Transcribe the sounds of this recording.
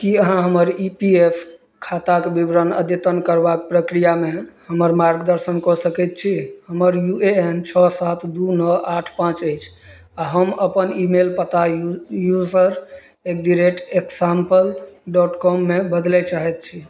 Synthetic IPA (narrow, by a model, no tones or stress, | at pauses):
kiəɦãɦəməɾipiepʰ | kʰat̪akebibɾənə̰d̪et̪ənkəɾbak̚pɾəkɾijamehəməɾmaɾɡd̪əɾsənkɔsəkɛt̪̚t͡ʃʰihəməɾjueent͡ʃʰɔsat̪ʰd̪unəaʈʰpãt͡ʃəjt͡ʃʰ | aɦəməpənimelpət̪ajuzəɾ | ek̚d̪iɾeʈeksampəlɖɔʈkɔmːebəd̪lɛt͡ʃaɦɛt̪̚t͡ʃʰi